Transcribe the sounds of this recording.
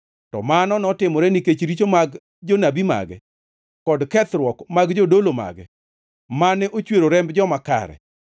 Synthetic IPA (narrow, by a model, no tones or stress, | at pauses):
tɔ̰manɔnɔtɪmɔɾɛniket͡ʃɾit͡ʃomaɡ | d͡ʒonabima̰ɡɛ̰ | kɔdkɛt̪ɾwɔkmaɡd͡ʒodoloma̰ɡɛ̰ | manɛʔot͡ʃweɾoɾɛmbd͡ʒɔmaka̰ɾɛ̰